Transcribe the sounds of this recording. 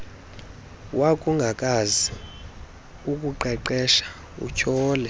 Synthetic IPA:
wakʼuŋɡʱakʼazi | ukʼuǃɛǃɛʃḁ | ṵt͡ʃʰɔːlɛ

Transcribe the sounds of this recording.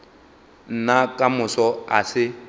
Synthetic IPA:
n̩nakʼamʊsɔa̰sɪ

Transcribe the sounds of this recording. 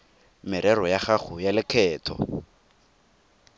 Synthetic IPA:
mɪɾɛɾɔjaχaχʊjalɪkʰɛːtʰɔ̰

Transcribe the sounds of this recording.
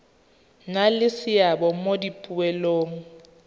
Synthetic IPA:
ŋalɪsɪjabɔmodipʼuwɛloːŋ̩

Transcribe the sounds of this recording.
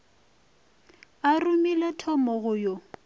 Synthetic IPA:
arumilɛtʰɔmɔɣʊjɔ

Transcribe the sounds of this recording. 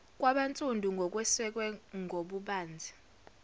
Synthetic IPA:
k̬ʼwaɓant͡sʼundʱuŋɡʱɔk̬ʼwɛsɛk̬wɛŋʱoɓuɓaːnd͡zʱi̥

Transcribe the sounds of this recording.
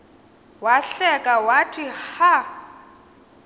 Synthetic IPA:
waɬɛkʼawatʰiha

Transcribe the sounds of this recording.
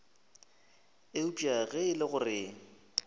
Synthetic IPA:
eupʼaɣɛɪlɪɣʊrɪŋ̩

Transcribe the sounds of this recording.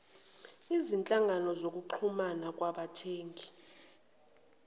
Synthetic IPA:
izint͡ɬʼaŋʱanɔzok̬uǃʰumanak̬ʼwaɓatʰeːŋɡʱi

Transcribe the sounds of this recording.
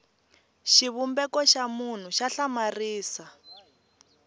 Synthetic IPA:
ʃiβumbɛkɔʃamun̤uʃaɬamariːsa

